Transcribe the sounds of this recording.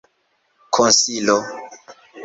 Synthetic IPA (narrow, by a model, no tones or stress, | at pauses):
kʰonsilo